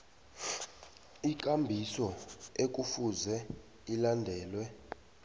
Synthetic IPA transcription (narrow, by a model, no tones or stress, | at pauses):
ik̬ʼambʱisɔek̬ʼufuzɛ | ilandʱɛːlwɛ